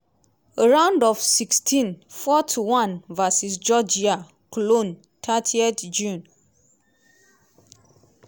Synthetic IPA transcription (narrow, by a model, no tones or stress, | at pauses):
əɹãʊ̃ndɔfsikstʰĩnfɔtʰuwãnvasis̬d͡ʒɔd͡ʒia | klõn | tʰatʰietd͡ʒũn